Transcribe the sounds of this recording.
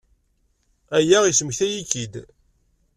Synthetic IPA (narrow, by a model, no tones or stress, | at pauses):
æjæʁisməçθæjikːid̪